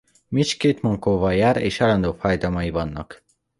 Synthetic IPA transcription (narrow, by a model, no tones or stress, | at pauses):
mit͡ʃkeːt̪moŋkoːvɒjaːɾḛːʃalɒnd̪oːfaːjd̪ɒmɒjivɒnːɒk